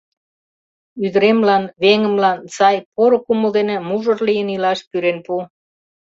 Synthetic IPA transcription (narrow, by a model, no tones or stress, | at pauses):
yðɾemlɑnβeŋə̆mlɑnsɑjpoɾokuməld̪enĕmuʒərlijənilɑʃpyɾenpu